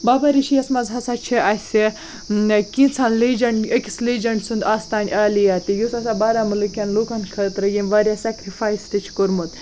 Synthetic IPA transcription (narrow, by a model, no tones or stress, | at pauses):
baːbaɾit͡ʃʰijɐsmɐzɦɐsat͡ʃʰiʔasʲe | kĩnt͡sʰanlid͡ʒɐɳɖekʲi̥slid͡ʒɐɳɖsund̪aːst̪aːnʲaːlijaːt̪ijusɐsaːbaːɾamɐlɨkʲɐnluːkankʰɐt̪ɾɐjimʋaɾjasɛkɾifʰaːjsʈit͡ʃʰi̥koɾmut̪